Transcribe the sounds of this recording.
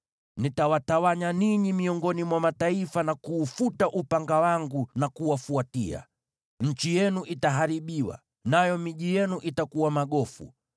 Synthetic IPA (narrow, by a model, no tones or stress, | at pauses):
nitawatawaɲaniɲimiɔŋɡɔnimwamataifanakuːfutaʔupaŋɡawaŋɡunakuwafuatia̰ | ɲ̩t͡ʃijɛnuʔitaɦaɾiɓiwa̰ | najɔmiʄijɛnuʔitakuwamaɠɔfṵ